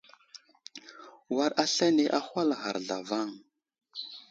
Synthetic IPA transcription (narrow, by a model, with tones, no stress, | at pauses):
wa˨ɾa˦ɬa˦ne˨ʔa˦xʷa˦lɣa̰˨ɾɮa̰˨va˦˨ŋ